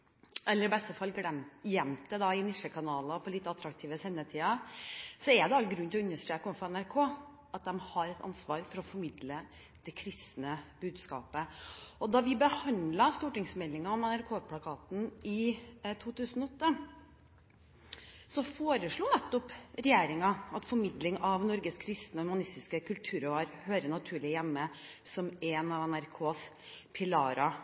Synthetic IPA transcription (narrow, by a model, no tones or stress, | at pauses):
ʔɛlːəɾɪbɛst̪əfɑlːɡɽɛmjɛmt̪əd̪ɑɪnɪʂəkʰɑnɑːlɑpʰɔlɪt̪ːəɑt̪ːɾɑkt̪ʰiːʋəsɛnːət̪ʰiːɑsɔɛɾd̪ɛɑlɡɾʉnt̪ɪlɔʉnːəʂʈ̪ɾeːkəɔmfɔɛnæɾkʰoː | ʔɑt̪̚d̪ɛmhɑɾɛt̪ʰɑ̰nsʋɑːɾfɔɾɔfɔɾmɪd̪lə | d̪̥ɛkʰɾɪst̪nəb̥ʉːd̪skɑ̰ːpəɔd̪ɑʋɪbəhɑnd̪lɑst̪uːʈɪŋsmɛlːɪŋɑɔmɛnæɾkʰoːpʰlɑkʰɑːt̪n̩ɪt̪ʰuːt̪ʰʉːsn̩ɔɔt̪ːə | sɔfoːɾəʂɭuːnɛt̪ːɔpɾɛjeːɾɪŋɑɑt̪fɔɾmɪd̪lɪŋɑʋnɔɾɡəskʰɾɪst̪nəɔhʉmɑnɪst̪ɪskəkʉlt̪ʰʉːɾɔʋɑːɾhøːɾəɳɑt̪ʰʉːɭɪjɛmːəsɔmɛːnɑʋɛnæɾkʰoːs | pʰɪlɑːɾɑ